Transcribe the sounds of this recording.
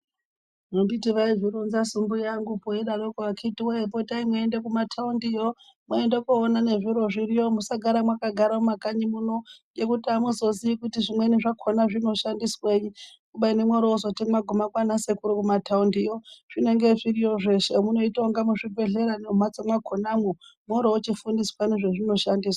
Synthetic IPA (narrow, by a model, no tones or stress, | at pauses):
nombitiʋaiʐiɾunzasumbujaŋɡupojeɗaɗokoakitiweepotaimwaendekumatʰaundijo̞ | mwaendekuːnane̞ʐiɾo̞ʐirijo̞musaɡʱaɾamwakaɡʱaɾaumakaɲimuno̞jekutiamuzo̞ziikutiʐimwe̞niʐakʰonaʐino̞ʃandisweji | kuɓainemwoɾoozo̞timwaɡʱumakwanasekuɾukumatʰaundijoʐ̥ine̞ŋɡe̞ʐirioʐe̞ʃemuno̞itoŋɡamuʂipe̞ɮeɾaneum̤at͡somwakʰonamomwoɾoot͡ʃifundiswaniʐeʐino̞ʃandiːswawa